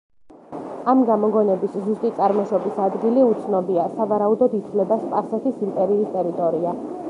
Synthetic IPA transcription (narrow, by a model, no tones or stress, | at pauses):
amɡamɔɡɔnɛbiszust̪ʼit̪sʼaɾmɔʃɔbisad̪ɡiliut̪sʰnɔbiasavaɾaud̪ɔd̪it̪ʰvlɛbaspʼasɛt̪ʰisimp̪ʼɛɾiːst̪ʼɛɾit̪ʼɔɾia